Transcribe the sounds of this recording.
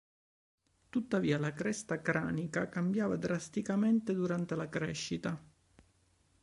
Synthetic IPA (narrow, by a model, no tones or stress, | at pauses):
t̪ut̪ːaviːalakɾɛst̪akɾaːnikakambjaːvad̪ɾast̪ikament̪ed̪uɾant̪elakɾɛ̰ʃːit̪a